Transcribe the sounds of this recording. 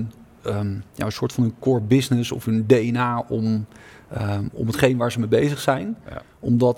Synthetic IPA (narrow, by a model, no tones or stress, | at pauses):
n | ja̰ənsʊːɹtfɑnənkʊɹbɪsnɪsɔ̰fɦɵndejənaːʔɔm | ɔ̰mɦətχejnəʋaːɹzəmejbejzəχsɛjn | ɔmdɑt